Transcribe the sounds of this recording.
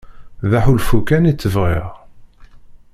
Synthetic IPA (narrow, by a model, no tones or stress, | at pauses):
ðaħulfukænit͡sːəvʁḭʁ